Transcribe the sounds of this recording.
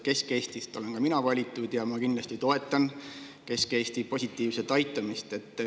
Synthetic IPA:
ke̞ske̞ːst̪ist̪o̞le̞nkɑminɑvɑlʲit̪ːˑud̪̥jɑmɑkind̪lɑst̪it̪o̞e̞t̪ːˑɑn | ke̞skeːst̪ipo̞sʲit̪ːˑiːvset̪ɑjt̪ːˑɑmist̪e̞t̪ːˑ

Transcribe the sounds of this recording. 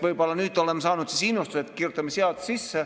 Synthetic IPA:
ʋoipɑlːɑnyt̪ːolemːsɑːnut̪sisinːost̪uset̪kirjot̪ːemːesiɑt̪sisːæ

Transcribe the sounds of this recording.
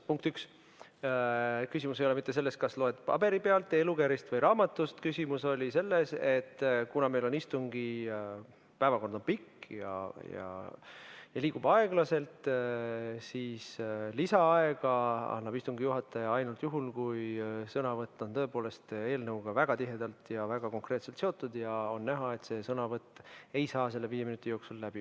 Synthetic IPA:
puŋk̚t̪yks | kysimus̬e̞jole̞mit̪ːese̞lːest̪̚kɑslo̞e̞d̪̥pɑ̰be̞ɾipe̞ɑlt̪ːˑe̞lukæɾist̪vɤjɾʔɑːmɑt̪ːˑust̪kysʲimuso̞lʲise̞lːese̞t̪ːkunɑme̞jlo̞nist̪uŋɡ̥i | pæevɑko̞nd̪̥o̞npikːjɑ̰jɑ̰ | jɑliːɡ̥ub̥ɑe̞ɡ̥lɑse̞lt̪ | siːslisɑɑe̞ɡ̥ɑɑ̰nːɑb̥ist̪uŋɡijuɦɑt̪ːˑɑjɑɑjnult̪juɦulkujsɤnɑvɤt̪ˑːo̞nt̪ɤ̞epoːle̞st̪e̞ːlnɤuwɡ̥ɑvæɡ̥ɑt̪iɦe̞d̪ɑlt̪jɑvæɡ̥ɑko̞ŋkre̞ːt̪selt̪seo̞t̪ːˑud̪jɑo̞nːæɦɑe̞t̪se̞sɤnɑvɤt̪ːˑe̞jsɑːs̬e̞lːe̞viːjeminut̪ʲːˑijoːksullæb̥i

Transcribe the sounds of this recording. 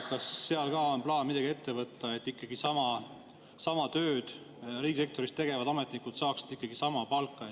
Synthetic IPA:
kɑsːeɑlkɑːonplɑːnmid̪̥ɑɡie̞t̪ːe̞vɤt̪ˑːɑet̪ːˑikːˑɑɡ̥isɑmɑ | sɑmɑt̪ø̞ːd̪̥ | riːɡise̞k̚t̪o̞ɾist̪e̞ɡ̥e̞vɑd̪̥ɑme̞t̪ˑnikud̪̥sɑːksid̪̥ikˑːɑɡ̥isɑmɑpɑlkːˑɑ

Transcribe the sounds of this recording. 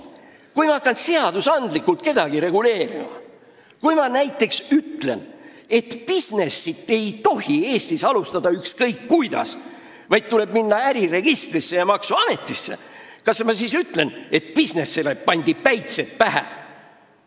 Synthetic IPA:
kujmɑɑkːˑɑnseɑd̪̥usɑnd̪likːˑult̪̚ke̞d̪̥ɑɡ̥iɾe̞ɡ̥ule̞ːɾimɑ̰ | kujmɑnæjt̪ːˑe̞ksyt̪ˑle̞̰n | e̞t̪pisne̞sːit̪ːˑe̞jt̪o̞ɦie̞ːst̪isɑlust̪ɑd̪̥ɑykskɤjkːujd̪̥ɑ̰s | vɑjd̪̚t̪ule̞b̥̚minːɑæɾire̞ɡ̥ist̪risːe̞jɑmɑksuɑme̞t̪ˑːisːe̞̰ | kɑsmɑsiːsyt̪ːˑle̞ne̞t̪̚pisne̞sele̞pɑnʲd̪̥ipæjt̪set̪̚pæɦæ̰

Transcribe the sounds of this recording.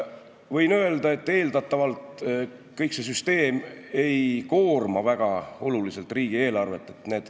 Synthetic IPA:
vɤjnø̞e̞ld̪ɑe̞t̪ːe̞ːld̪ɑt̪ːˑɑvɑlt̪ | kɤjkse̞s̬yst̪e̞ːme̞jko̞ːrmɑvæɡ̥ɑo̞lulise̞lt̪riːɡ̥ie̞ːlɑrve̞t̪ːˑe̞̥t̪ne̞ːd̪̥

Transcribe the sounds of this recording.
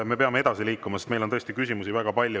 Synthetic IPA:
me̞pe̞ɑmeed̪ɑsiliːkːˑumɑsest̪mejlot̪ɤest̪ikysimusivæɡ̥ɑpɑlʲju

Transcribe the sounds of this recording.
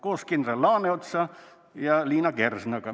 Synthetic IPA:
koskinrɑlɑːneot̪sɑ | jɑliːnɑɡersnɑkɑ

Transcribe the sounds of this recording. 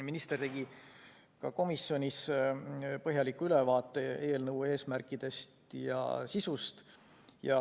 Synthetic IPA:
minist̪e̞rt̪e̞ɡi | kɑko̞misːjo̞nʲis | pɤɦjɑlikːuylevɑːt̪ːˑe̞e̞ːlnɤwe̞ːsmærkˑid̪̥e̞st̪jɑ̰sisust̪ | jɑ

